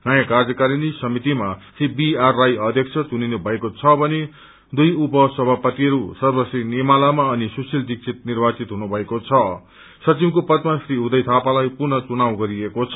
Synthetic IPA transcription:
ɡajakard͡zʌkaɾinisʌmit̪imasibiarːajʌd̪ʱjʌkt͡sʰʌt͡suninubʱʌekot͡sʰʌbʌne | d̪ujupʌsʌbʱapʌt̪iʌɾusʌrbʌsrinemalamaʌnisusild̪ik̚sʰit̪̚nirbat͡sit̪ɦunubʱʌekot͡sʰʌ | sʌt͡simkopʌt̪masriɦud̪ʌjt̪ʰapalajpurnʌt͡sunawɡʌɾiekot͡sʰʌ

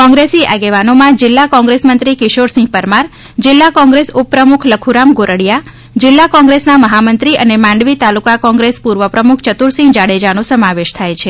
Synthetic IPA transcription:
kɔ̃ŋɡɾesiʔaɡeʋanomãd͡ʒɪlːakɔ̃ŋɡɾesmənt̪ɾikɪʃoɾsɪ̃ŋɡ̚pəɾmaɾ | d͡ʒɪlːakɔ̃ŋɡɾesupːɾəmukʰləkʰuɾamɡoɾəɽja | d͡ʒɪlːakɔ̃ŋɡɾesnaməɦamənt̪ɾiə̰nemãɳɖʋit̪alukakɔ̃ŋɡɾespuɾʋəpɾəmukʰt͡ʃət̪uɾsɪ̃ŋɡd͡ʒaɽed͡ʒanõsəmaʋeʃt̪ʰajt͡ʃʰe

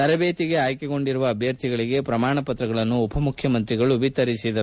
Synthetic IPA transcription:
t̪ɐɾɐbeːt̪iɡe̞aːjkeɡo̞ɳɖiɾuʋɐːbʱjɐɾt̪ʰiɡɐɭiɡe̞pɾɐmaːɳɐpɐt̪ɾɐɡɐɭɐnːuːpʰɐmukʰjɐmɐnt̪ɾiɡɐɭuʋit̪ɐɾisid̪ɐu

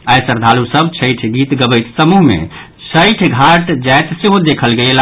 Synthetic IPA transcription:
ajsəɾd̪ʱalusəbt͡ʃʰəjʈʰɡit̪ɡəbəjt̪səmuɦmḛ̃ | sʰəjʈʰɡʱaʈd͡ʒajt̪seɦod̪ekʰəlɡela

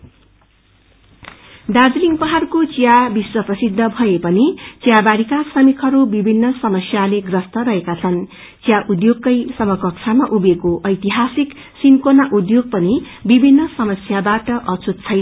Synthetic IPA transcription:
ɖad͡zliŋpʌɦarkot͡sijabiswʌprʌsid̪ʱːʌbʱʌjepʌnit͡sjabaɾikasʌmikʰʌɾubibʱinːʌsʌmʌsjaleɡrʌst̪ʌɾʌɦekat͡sʰʌn | t͡sijaʔud̪joɡ̚kʌjsʌmʌkʌkt͡sʰamaʔubekoʔʌjt̪iɦasik | sinkonaʔud̪joɡ̚pʌni | bibʱinːʌsʌmʌsjabaʈʌʔʌt͡sʰut̪̚t͡sʰʌjn

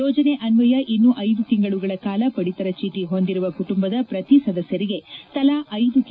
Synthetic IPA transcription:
ɔːd͡ʒɐneʔɐnʋɐjɐʔinːuʔɐjd̪ut̪iŋɡɐɭuɡɐɭɐkaːlɐpɐɽit̪ɐɾɐt͡ʃiːʈiɦo̞nd̪iɾuʋɐkuʈumbɐd̪ɐpɾɐt̪isɐd̪ɐsjɐɾiɡe̞t̪ɐlaʔɐjd̪uk

